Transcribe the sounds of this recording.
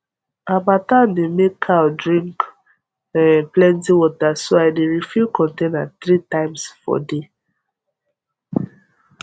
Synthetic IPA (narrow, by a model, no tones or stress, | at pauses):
abatandemekʰːawdɹĩŋk | plɛ̃ntiwɔtasoaɪdeɹifukɔ̃ntẽnatθɾitãɪmsfɔ̰de